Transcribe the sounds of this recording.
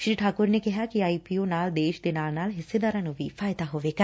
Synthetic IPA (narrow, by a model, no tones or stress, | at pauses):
ʃɾiːʈʰaːkʊɾnekɛɦakiaːipionaːld̪eːʃd̪enaːlnaːlɦɪsːed̪aːɾanobʱifaːjd̪aɦoːʋekɐ